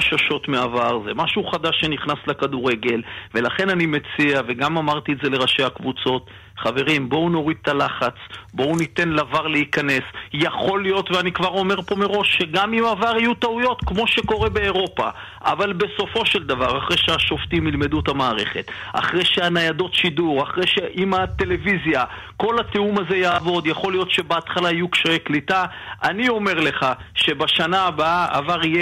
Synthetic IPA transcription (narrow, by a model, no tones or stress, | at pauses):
aʃaʃo̞tmeavaʁzemaʃuχad̪aʃːe̞niχnaslekad̪uʁe̞ɡe̞lve̞laχe̞nanime̞t͡siave̞ɡamamaʁt̪ietze̞le̞ʁaʃehakvut͡so̞t̪ | χave̞ʁimbo̞uno̞ʁid̪̚t̪alaχat͡sbo̞unit̪e̞nlavaʁleikane̞sjaχo̞lijo̞t̪veanikvaʁo̞me̞ʁpo̞meʁo̞ʃːeɡamimavaʁijut̪aujo̞t̪kmo̞ʃe̞ko̞ʁe̞be̞ːʁo̞pa̰ | a̰valbe̞so̞fo̞ʃe̞ld̪avaʁaχʁejʃeaʃo̞ft̪imilme̞d̪ut̪amaːʁe̞̰χe̞t̪a̰χʁejʃeanajad̪o̞tʃiduʁaχʁejʃeʔimat̪e̞le̞vizja | ko̞lat̪eumaze̞jaːvo̞d̪jaχo̞lijo̞tʃe̞beat̪χalaijukʃaeklit̪a | ʔanio̞me̞ʁle̞χaʃe̞baʃanaːbaaʔa̰vaʁije